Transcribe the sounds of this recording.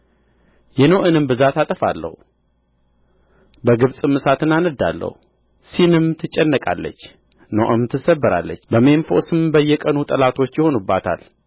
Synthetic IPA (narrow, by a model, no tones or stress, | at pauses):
jɛnoʔɨnɨmbɨzat̪at̪ʼəfa̰lːə̰hu | bəɡɨβsʼɨmɨsat̪ʰɨnanɨd̪a̰lːə̰hu | sinɨmt̪ʰɨt͡ʃʼːɛnːəkʼa̰lːə̰t͡ʃː | noʔɨmt̪ʰɨsəbːɨɾa̰lːə̰t͡ʃːbəme̞nfo̞̰sɨmbəjːɛkʼənut̪ʼəlat̪ʰo̞t͡ʃːjɪho̞nubːat̪ʰa̰l